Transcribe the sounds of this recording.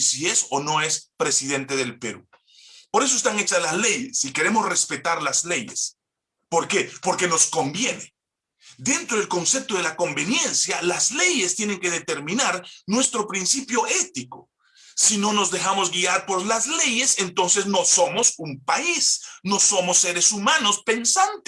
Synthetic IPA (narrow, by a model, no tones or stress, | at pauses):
sie̞sono̞espɾe̞siðe̞nt̪e̞ðe̞lpeɾṵ | po̞ɾe̞s̬oes̬t̪aŋet͡ʃaslazle̞jesike̞ɾe̞mosre̞spe̞t̪aɾlazle̞jes | po̞ɾke̞po̞ɾke̞no̞sko̞mbje̞ne | d̪e̞nt̪ɾo̞ðe̞lko̞nse̞p̚t̪oðe̞lako̞mbe̞nje̞nsjalazle̞je̞st̪je̞ne̞ŋke̞ðet̪e̞ɾmĩnaɾnwe̞st̪ɾo̞pɾinsipjo̞e̞t̪ikoː | ino̞no̞zðe̞xamo̞zɡiaɾpo̞ɾlazle̞je̞se̞nt̪o̞nse̞sno̞so̞mo̞sumpaisno̞so̞mo̞sːe̞ɾesumano̞spe̞nsant̪e̥